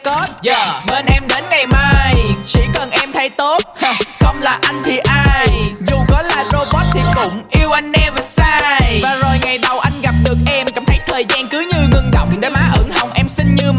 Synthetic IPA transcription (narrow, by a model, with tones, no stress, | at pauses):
kɔ˦˥t̚ːme˧nʔɛ˧mɗe˨˦nŋa˨˩jmaː˧jt͡ɕḭ˧˥kə˨˩nʔɛ˧mt̪ʰə˨˦jt̪o˦˥t̚xə˧wŋ͡mlaː˨˩ʔa˧jŋ̟t̪ʰi˨˩ʔaː˧jjzu˨˩kɔ˨˦laː˨˩zo˧ɓɔ˦˥t̚t̪ʰi˨˩kʊ̰˧˥˩ŋ͡mʔi˧əwʔa˧jŋ̟ːɛ˧vaː˨˩saː˧jvaː˨˩zo˨˩jŋa˨˩jɗə˨˩wʔa˧jŋ̟ɣa˨˩p̚ɗɨ˨˩ək̚ʔɛ˧mkaː˧˩mt̪ʰə˨˦jt̪ʰəː˨˩jzaː˧nkɨ˨˦ɲɨ˧ŋɨ˧əŋɗə̰˧˨wŋ͡mɗe˨˦maː˨˩ʔɨ̰˧˩ŋha˨˩wŋ͡mʔɛ˧msï˧ŋ̟ɲɨ˧m